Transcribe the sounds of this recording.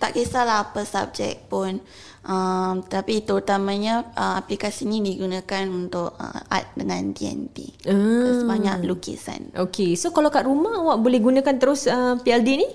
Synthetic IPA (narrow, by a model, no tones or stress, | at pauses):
t̪aʔkesalaɦapəsa̰b̚d͡ʒɛ̰k̚pʊn | ʔəmt̪ət̪apit̪əɾut̪amãɲaəmaplikasinidiɡunakanunt̪ʊʔ̚ə̰a̰t̪̚dəŋãntiɛ̰nt̪ḭəəbaɲaʔlukḭsa̰nokesokalawkaʔɾumahawaʔbolɛhɡunãkant̪əɾʊsəpiɛldini